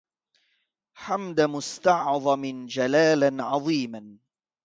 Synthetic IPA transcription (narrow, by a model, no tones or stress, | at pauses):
ħamd̪amʊst̪ɑʕðˤɑmɪd͡ʒalaːlanʕɑðˤiːman